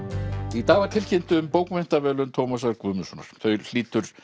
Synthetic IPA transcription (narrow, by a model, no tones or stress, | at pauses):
it̪aːvat̪ʰɪl̥cɪn̥t̪ʏːmpowkven̥t̪avɛːlʏnt̪ʰowmasaɾkuːðmɪsɔna̰ɾ̥θœɥl̥iːt̪ʏɾ̥